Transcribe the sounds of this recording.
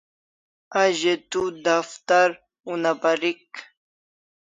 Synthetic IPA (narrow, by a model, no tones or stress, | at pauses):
aʑet̪ud̪aft̪aɾ | unabaɾik